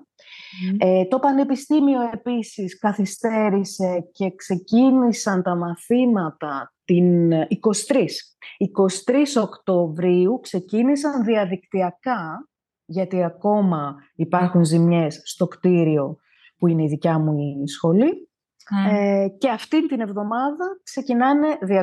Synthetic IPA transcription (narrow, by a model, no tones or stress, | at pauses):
et̪o̞pɐne̞pist̪imio̞e̞pisiskɐθist̪e̞ɾise̞ce̞kse̞cinisɐnt̪ɐmɐθimɐt̪ɐt̪iniko̞si̥t̪ɾis | iko̞si̥t̪ɾiso̞kt̪o̞vɾiukse̞cinis̬ɐnðiɐðikt̪iɐkɐ | ʝɐt̪iɐko̞mɐipɐɾxunzimɲe̞sːt̪o̞kt̪iɾio̞ | puine̞iðicɐmuisxo̞li | ce̞ɐft̪int̪ine̞vðo̞mɐðɐkse̞cinɐne̞ðiɐ